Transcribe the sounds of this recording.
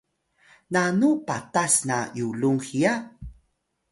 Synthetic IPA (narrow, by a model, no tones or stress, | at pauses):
nanupatasnajuluŋxija